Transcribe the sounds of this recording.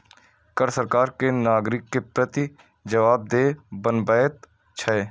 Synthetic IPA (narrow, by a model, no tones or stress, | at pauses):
kəɾsəɾkaːɾkenaːɡɾɪkːepɾət̪i | d͡ʒəʋaːb̚d̪eːbənbət̪ | t͡ʃʰɐeː